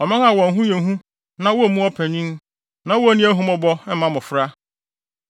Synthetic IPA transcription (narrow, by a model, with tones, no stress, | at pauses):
ɔ˨mɪ̃˦n˦a˨wɔ̃˨n̩˨˦ɦũ˦jẽ˨˦ɦũ˦ | nã˦wɔ˦˨mũ˦ɔ˦pʰɛ˨ɲĩ˦n˦ | nã˦wɔ˦nĩ˦æ˦ɦũ˦mɔ̃˦bɔ˦m̩˦ã˦mʊ̃˨fɾa˦